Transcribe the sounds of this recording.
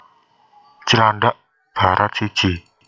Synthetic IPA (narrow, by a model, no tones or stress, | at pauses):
t͡ʃəlaɳɖaʔ | b̥a̤ɾʔat̪̚sid̥ʒ̥i